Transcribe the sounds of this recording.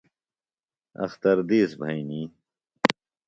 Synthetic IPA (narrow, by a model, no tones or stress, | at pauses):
ɐ̰xt̪ɐɾd̪iːsbʱɐiniː